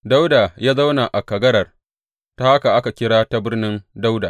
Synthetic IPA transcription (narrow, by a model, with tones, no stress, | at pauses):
da˦wda˨jaː˦za˦wna˨ʔa˨kɐ˨ɡɐ˦ɽɐ˨r | ta˦ha˦ka˨ʔa˦ka˨kʲɪ˦ɽaː˦ta˦bɪ˦rnɪ˦nda˦wda˨